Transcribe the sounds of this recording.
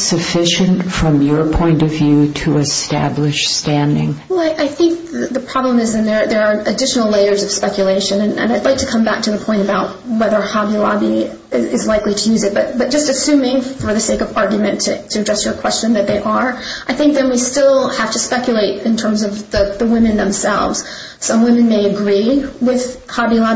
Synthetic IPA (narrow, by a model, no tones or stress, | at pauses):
sɨfɪʃɨ̃ntfɹʌ̃mjə˞pʰɔ̃ɪ̃ntʌvjʉɾʰəɨstæ̰blɪʃstæ̃ndɪ̰̃ŋwɛlˠaɪʔaɪθɪ̃ŋk̚ðɨðɨpʰɹ̥ɑblə̃mɨzɨ̃nðə˞ðə˞ːɨdɪʃn̩l̩ˠleɪə˞zʌv̥spɛkʰjɨleɪʃɨ̃nɨ̃nɨ̰̃naɪdˡlaɪk̚tʰɨ̥kʰʌ̃mbæk̚tʰɨðəpʰɔ̃ɪ̃ɾ̃ɨbaʊt̚wɛðə˞hɑbilɑ̰bi | ɪɪzlaɪkliɾɨjʉzɨt̚b̥ʌt̚b̥ʌt̚d̥ʒ̥ʌstɨsʉ̃mɪ̃ŋfə˞ðɨseɪkʌvɑɹɡjmɨ̃ntʰɨtʰɨɨdɹɛsə˞ɨkʰw̥ɛst͡ʃɨ̃nðɨt̪̚ðeɪʔə˞ʔaɪθɪ̃ŋk̚ðɨ̃nwistɪlˠhæftɨspɛkjɨleɪɾɨ̃ntʰɜ̃˞mzʌvðɨðəwɪ̃mɨ̃nðə̃msɛ̰lˠvz̥ | sʌ̃mwɪ̃mɨ̃nmeɪɨɡɹiwɪð̥hɑbilɑ